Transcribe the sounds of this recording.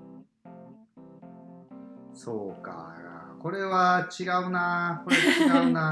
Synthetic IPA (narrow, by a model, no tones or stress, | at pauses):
soːka̰ko̞ɾe̞βat͡ɕiɡaɯ̟nako̞ɾed̪t͡ɕiɡaɯna